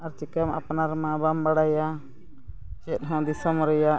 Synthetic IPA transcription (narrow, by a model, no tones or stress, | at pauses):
aɾt͡ʃikəma̰pnaɾmãbambaɽaja | t͡ʃɛt̪̚ɦɔ̃d̪isəmɾɛja